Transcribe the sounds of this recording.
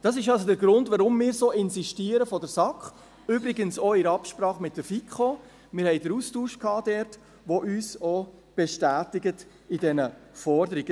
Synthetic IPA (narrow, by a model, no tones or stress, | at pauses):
d̥ɑs̬ɪʃɑls̬odəɾɡɾʊndvʋaɾʊmːɪːɾsoːɪnsiʃtiːəɾəfɔdəɾsɑkχ | ʏbɾɪɡənsoɪɾɑpʃpɾɑːχmɪt̚dəfikχo | mɪːɾhɛɪdəɾustuːʃkhɑːdɛɾt | ʋoʔyːso | b̥ɛʃtæːtɪɡət | idɛnəfɔɾdəɾiɡ̥ə